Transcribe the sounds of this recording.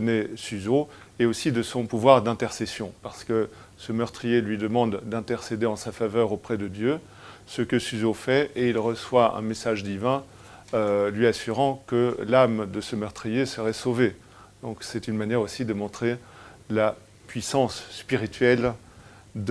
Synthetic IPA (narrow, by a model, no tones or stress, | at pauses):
ənesyzo | eosid̪əsɔ̃puvwaʁd̪ɛ̃t̪ɛʁsesjɔ̃paʁsə̥kə | səmœʁt̪χijelɥid̪əmɑ̃d̪d̪ɛ̃t̪ɛʁsed̪eɑ̃safavœʁopχɛd̪əd̪jø | səkəsyzofɛeilʁəswaɛ̰̃mesaʒd̪ivɛ̃ | ølɥiasyʁɑ̃kəlamd̪əsəmœʁt̪χijesəʁɛsove | d̪̥ɔ̃ksɛt̪ynmanjɛʁosid̪əmɔ̃t̪χe | la | pɥisɑ̃sːpiʁit̪ɥɛl | d̪